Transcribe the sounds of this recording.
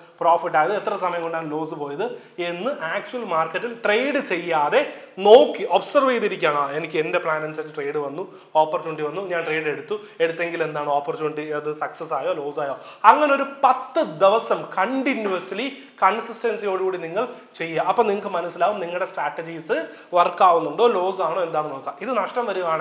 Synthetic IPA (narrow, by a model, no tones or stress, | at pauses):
pro̞ːfiʈːaːjɐðɨet̪ːrɐs̬ɐmɐjɐŋkːoɳɖaːɳlo̞ːsɨpo̞ːjɐðɨ | e̞nːɨʔaːk̚t͡ɕuwɐlmaːrkːɐʈːilʈre̞jɽɨt͡ɕe̞jːaːðe̞no̞ːkːiʔobsɐrʋejðiɾikʲːaːɳaenikʲːɨende̞pɭaːnɐnsɐtːɨʈrejɽɨʋɐnːu | oːpːɐrɐt͡ɕːuːɳʈiʋɐnːuɲaːnʈre̞jɽe̞ɽut̪ːu | e̞ɽut̪ːe̞ŋɡile̞nd̪aːɳɨo̞ːpːɐrt͡ɕːuːɳʈːiɐðɨsɐksɐs̬aːjoːlo̞ːsaːjoːɐŋːɐneo̞ɾupɐt̪ːɨd̪iʋɐsɐmkɐɳɖinjuɐsili | kɐɳsisʈɐnsijo̞ːɽikuːɽiniŋːɐɭ | t͡ɕe̞jːɐʔɐpːoːniŋːɐk̬ːɨmɐnɐsːilaːʋumniŋːɐɭɽe̞sʈraːʈːɐd͡ʑiːsɨ | ʋɐrkːaːʋunːuɳɖo̞ːlo̞ːsaːɳoːe̞nd̪aːɳɨno̞ːkːamiðɨnɐʂʈɐmʋɐɾuɣaːɳɨ